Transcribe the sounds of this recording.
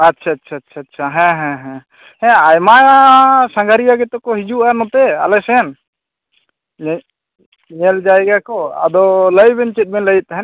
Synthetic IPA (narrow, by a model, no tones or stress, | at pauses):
atːʃʰaːtːt͡ʃʰaːt̪ːʃʰatːt͡ʃʰaɦɛ̃ɦɛ̃ɦɛ̃ | hɛ̃ajmajasãŋɡaɾijaɡɛt̪ɔkɔɦid͡ʒuʔaɾnɔt̪ɛa̰lɛsɛn | ɲɛld͡ʒaɛɡakɔa̰d̪ɔləjbɛnt͡ʃɛt̪̚ˀmɛnləjit̪̚t̪ːaɦɛn